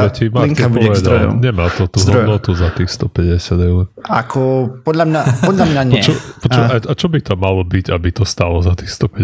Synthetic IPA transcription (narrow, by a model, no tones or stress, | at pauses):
ɛcimakɛɔʋɛd̪a̰ɲɛmaːt̪ɔt̪uɦ̪ɔd̪nɔt̪uzat̪ixst̪ɔpɛɟɛsɪad̪ɛuɾakʰɔpɔd̪lamɲapɔd̪lamɲaɲɪɔɛt͡ʃɛpɔt͡ʃiaat͡ʃɔbit̪ɔmalɔbiɟabit̪ɔst̪alɔzat̪ixst̪ɔpɛ